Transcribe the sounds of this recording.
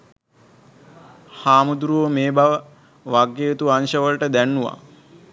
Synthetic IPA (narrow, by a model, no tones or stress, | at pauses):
haːmud̪uɾuʋəmeːbaʋə | ʋaɡːet̪uanʃəʋəlʈəd̪ænːuʋa̰